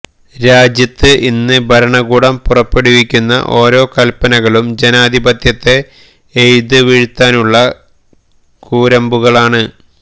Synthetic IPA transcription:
ɾaːd͡ʑjɐt̪ːɨʔinːɨbʱɐɾɐɳɐɣuːɽɐmpurɐpːeɽiʋikʲːunːɐ̰ʔo̞ːɾo̞ːkɐlpɐnɐɣɐɭumd͡ʑenaːd̪ʱibɐt̪jɐt̪ːe̞ː | jd̪ɨʋiɻut̪ːaːnuɭːɐ | kuːɾɐmbuɣɐɭaːɳɨ

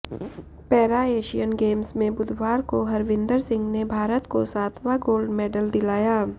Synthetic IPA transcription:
pɛːɾaeːʃijənɡeːmsmẽbʊd̪ʱʋaːɾkoɦɐɾʋɪ̃nd̪əɾsɪ̃ŋɡnebʱaːɾət̪kosaːt̪ʰʋaɡoːlɖmɛːɖəld̪ɪlaːjaː

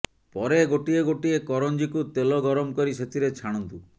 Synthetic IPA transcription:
pɔɾeɡoʈieɡoʈiekɔɾɔnd͡ʒikut̪elɔɡɔɾɔmkɔɾiset̪ʰiɾet͡ʃʰaɽ̃ɔnt̪u

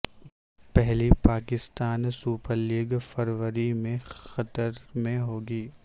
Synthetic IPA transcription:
pɛɦlipaːkɪst̪aːnsuːpəɾliːɡfəɾʋəɾimẽxɐt̪əɾmẽɦoːɡiː

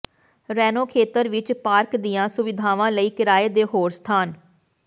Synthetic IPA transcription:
ɾɛːnoːkʰeːt̪əɾʋɪt͡ʃpaːɾkd̪ɪjãːsʊʋɪd̪ʱaːʋãːləiːkɪɾaːeːd̪eːɦoːɾst̪ʰaːn

